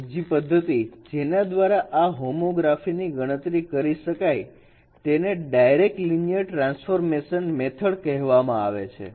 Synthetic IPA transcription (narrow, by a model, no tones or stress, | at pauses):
d͡ʒipəd̪ʱːət̪id͡ʒenad̪ʋaɾaʔaɦomoɡɾafiniɡəɽ̃ət̪ɾikəɾiʃəkaj | t̪eneɖajɾek̚ʈlinijəʈɾãnsfoɾmeʃənmet̪ʰəɭkɛɦʋamãa̰ʋet͡ʃʰḛ